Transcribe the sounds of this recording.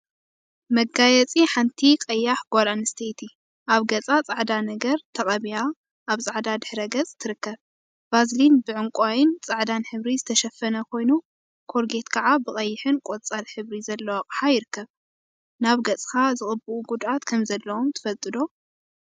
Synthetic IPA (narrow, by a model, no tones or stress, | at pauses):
mɐɡajɛt͡sʼiħant̪ʰikʼɐjːaħɡ̥ʷalanɨst̪ʰejt̪ʰi | ʔaβɡɐt͡sʼat͡sʼaʕd̪anɐɡɐɾt̪ʰɐχʼɐβija | ʔaβt͡sʼaʕd̪ad̪ɨħɾɐɡɐt͡sʼt̪ʰːɨɾɨkːɐβ | bazlinbɨʕɨŋkʼwajɪnt͡sʼaʕd̪anħɨβɾizɨt̪ʰɐʃɐfːɐnɐkʰo̞jnu | kʰo̞ɾɡe̞t̪kʰɐʕabɨχʼɐjːɪħɨnkʼot͡sʼalħɨβɾizɐlːɐwaqʼħajɪɾɨkːɐβ | naβɡɐt͡sʼkʰazɨχʼɨbuʔuɡud̪at̪kʰɐmzɐlːɐwomt̪ʰɨ̥fɐlt̪ʼɨd̪o